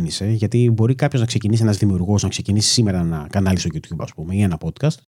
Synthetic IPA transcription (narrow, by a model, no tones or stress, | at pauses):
nise̞ʝɐt̪ibo̞ɾikɐpço̞znɐkse̞cinis̬ie̞nɐzðimiuɾɣo̞znɐkse̞cinisi̥sime̞ɾɐnɐkɐnɐlist̪oʝut̪ʰçubɐspume̞ieenɐpo̞t̪kɐst̪